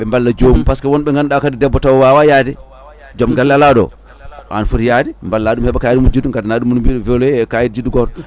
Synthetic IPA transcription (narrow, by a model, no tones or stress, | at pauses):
ɓɛmbalːad͡ʒomupaskawɔnɓɛŋɡanɗakadidɛbːɔtawwawajadɛ | d͡ʒɔmɡalːalaɗɔ̰ | a̰nfuɾjadimbalːaɗumhɛɓakajidmud͡ʒiduŋɡadanaɗumːunumbiɗɔvɛlɔɛkajidd͡ʒiduɡɔɾ